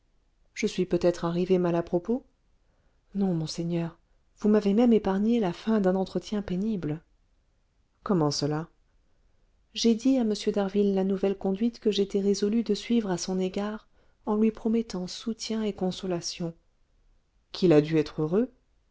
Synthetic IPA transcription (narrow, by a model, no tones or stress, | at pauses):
ʒ̥əsɥipøt̪ɛt̪χaʁivemalapχɔpo | nɔ̃mɔ̃seɲœʁ | vumavemɛmepaʁɲelafɛ̃d̪ɛ̃nɑ̃t̪χət̪jɛ̃penibl | kɔmɑ̃səla | ʒed̪iaməsjød̪aʁvilːanuvɛlkɔ̃d̪ɥit̪kəʒet̪ɛʁezɔlyd̪əsɥivʁasɔ̃neɡaʁ | ɑ̃lɥipχɔmɛt̪ɑ̃sut̪jɛ̃ekɔ̃sɔlasjɔ̃ | kʲʰilad̪yɛt̪χøʁø